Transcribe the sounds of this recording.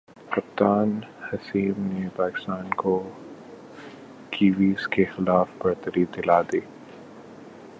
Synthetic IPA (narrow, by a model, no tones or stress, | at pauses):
hɐp̚t̪aːnhɐsiːmnepaːkɪ̥st̪aːnko | kiːʋiːzkexɪlaːfbɐɾt̪əɾid̪ɪlaːd̪eː